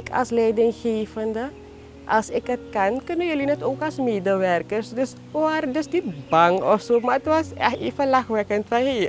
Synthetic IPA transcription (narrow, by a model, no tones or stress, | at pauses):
kʰa̰slɛjdɪŋxeːfəndə | ʔa̰lsɪkət̚kankʏnəjəlinɛtoːkasmeːdəʋɛrkərsdøs | ardøsnitbaŋɔfsoːmaətʋɔsɛxeːfəlaxʋɛkəntfajɦeː